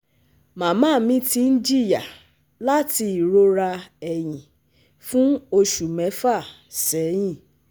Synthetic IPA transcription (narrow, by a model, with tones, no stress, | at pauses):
mã˨mãː˦˨˦mĩ˦ti˧˦n̩˦d͡ʒi˦˨ja˨ | la˦ti˧i˨ɾo˧ɾa˧ɛ˨j̃ĩ˨ | fũ˦o˧ʃu˨mɛ̃˨˦fa˦˨ | sɛ˨˦j̃ĩ˦˨